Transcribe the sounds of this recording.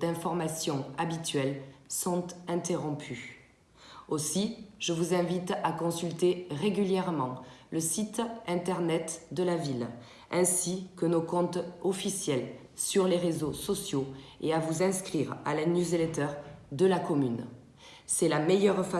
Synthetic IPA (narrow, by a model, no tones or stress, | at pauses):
d̪ɛ̃fɔʁmasjɔ̃abit̪ɥɛlsɔ̃t̪ɛ̃t̪eʁɔ̃pʰy | osiʒ̥əvuzɛ̃vit̪akɔ̃sylt̪eʁeɡʲyljɛʁmɑ̃ləsit̪ɛ̃t̪ɛʁnɛt̪d̪əlavil | ɛ̃sikənokɔ̃t̪ɔfisjɛl | syʁleʁezosɔsjoeavuzɛ̃skχiʁa̰lanjuzelet̪œʁd̪əlakɔmyn | sɛlamejœʁfa